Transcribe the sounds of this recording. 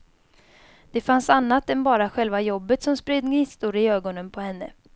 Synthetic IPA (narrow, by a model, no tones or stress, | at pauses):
d̪̥ɛfansanːat̪ɛnbɑːɾaɧɛlvajɔbːət̪sɔmspɾeːd̪nŋɪst̪uɾɪøːɡɔnənpʰɔhɛnːə̰